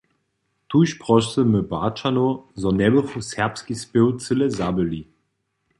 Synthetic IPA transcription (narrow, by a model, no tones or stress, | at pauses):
t̪uɕpʁɔʃəməba̰t͡ʃanozɔnɛbəfusɛʁpskispɪwt͡sɘlɛzabəli